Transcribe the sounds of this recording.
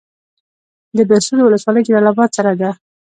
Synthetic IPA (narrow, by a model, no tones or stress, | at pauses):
d̪əbasud̪wʊləswɑləjd͡ʒalɑlabɑt̪̚saɾad̪a